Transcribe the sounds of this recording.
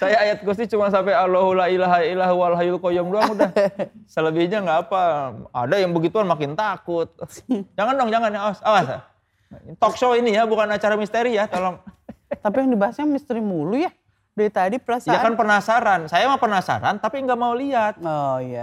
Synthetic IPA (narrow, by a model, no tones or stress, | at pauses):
sajaːjat̪̚kust̪it͡ʃumansampealɔɦulailaɦajilaɦwalɦajulkojɔŋduaudahsələbɪhɲaŋɡaːpaa̰dajaŋbəɡit̪uanmakɪnt̪akʊt̪ːʊd͡ʒaŋandoŋd͡ʒaŋanjaasawasa̰ | t̪ɔkʃoinijabukanat͡ʃaɾamist̪eɾijat̪olɔŋt̪apijaŋdibaɦasɲamist̪əɾimuluja | dait̪adipəlasjakanpənasaɾansajamahpərnasa̰ɾa̰nt̪apiŋɡaʔmauliɦat̪̚ɔja